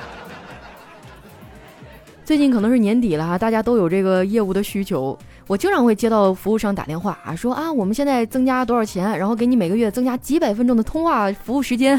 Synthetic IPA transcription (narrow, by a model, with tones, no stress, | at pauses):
t͡swe˥˧t͡ɕi˥˩nkʰɤ˨˩nɤ˧˥ŋʂɻ̩˥˩njɛ˧˥nt̪i˨˩lə˦a˧t̪a˥˩t͡ɕja˥t̪o˥ʊjo˨˩ʊʈ͡ʂɤ˥˩ɡə˩jɛ˥˧u˥˩d̪ə˩ɕy˥t͡ɕʰjo˧˥ʊ | wɔ˨˩t͡ɕjo˥˧ɑ˥˧ŋxwe˥˩ɪt͡ɕjɛ˥ɾɑ˥˩ʊfu˧˥u˥˧ʂɑ˥˩ŋt̪a̰˨˩t̪jɛ˥˧nxwa˥˩ʂwɔ˥ʔa˥˧wɔ˨˩mə˦nɕjɛ˥˧nt͡sa˥˩ɪt͡sɤ˥ŋt͡ɕja˥t̪wə˞˨˩t͡ɕʰjɛ˧˥nɻa˧˥nxk̬e˧˥ɪni˧˥me˨˩ɪɡə˦˥ɥɛ˥˩t͡sɤ˥ŋt͡ɕja˥t͡ɕi˧˥pa˨˩ɪfə˥nʈ͡ʂʊ˥ŋd̪ə˨t̪ʰʊ˥ŋxwa˥˩fu˧˥u˥˩ʂɻ̩˧˥t͡ɕjɛ˥n